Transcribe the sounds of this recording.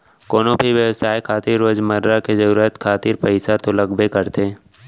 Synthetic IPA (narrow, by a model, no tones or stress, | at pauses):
koːnõbʱiʋjəwsaːjkʰaːt̪iɾːoːd͡ʒməɾɾaked͡ʒɐɾuːɾət̪kʰaːt̪iɾpəɪsat̪olɐɡbekəɾt̪e